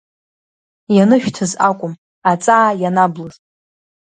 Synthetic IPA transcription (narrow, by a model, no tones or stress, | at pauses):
janɨʃᶣtʰɨzakʷʼʊm | at͡sʼaːjanablɨzʼ